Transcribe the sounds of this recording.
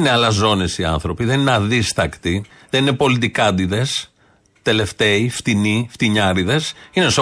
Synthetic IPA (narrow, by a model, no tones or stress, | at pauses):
neɐlɐzo̞nesiɐ̰nθɾo̞piðe̞nineɐðist̪ɐkt̪i | ðenine̞po̞lit̪ikɐnd̪iðe̞s | t̪e̞le̞ft̪e̞ift̪inift̪iɲɐɾiðe̞sine̞so